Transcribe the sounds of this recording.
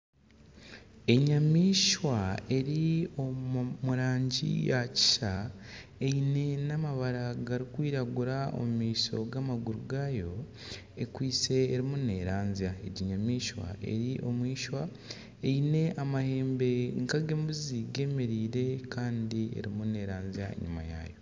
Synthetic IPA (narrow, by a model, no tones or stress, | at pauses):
e̞ɲamiːʃwae̞ɾiomuɾaːɲɟḭjaci̥ʃaeine̞namaβaɾaɡaɾikwiːɾaɡuɾao̰mumiːso̞̰ɡamaɡuɾuɡaːjo̞ | ekwiːt͡se̞ːɾimune̞ɾaːnziaḛɟiɲamiːʃwa̰e̞̰ɾiʔo̞mwiːʃwa | e̞ine̞ʔamahe̞ːmbe̞ŋkaɡe̞ːmbuziɡe̞me̞ɾiːɾe̞kʰaːndiḛɾimune̞ɾaːnzia̰ḛɲima̰ja̰ːjo̞